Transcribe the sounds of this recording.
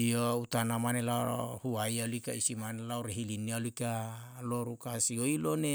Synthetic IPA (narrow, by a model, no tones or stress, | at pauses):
iout̪anamanelahuaialuikaisimanelauɾeɦilinialuika | loɾukasioilone